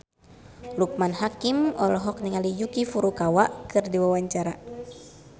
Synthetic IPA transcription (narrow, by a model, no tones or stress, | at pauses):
luk̚manhakimɔlɔɦɔk̚niŋalijukifuɾukawaʔkɨrdiwawaɲt͡ʃaɾa